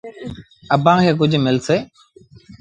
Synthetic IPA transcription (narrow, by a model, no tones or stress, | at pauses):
əbʱãːkʰeːk̬ʊd͡ʒʱmɪlseː